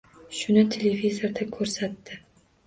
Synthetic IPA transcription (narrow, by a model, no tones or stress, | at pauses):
ʃʊnɪt̪ʰelevizoɾd̪akʰɵɾsat̪ːɪ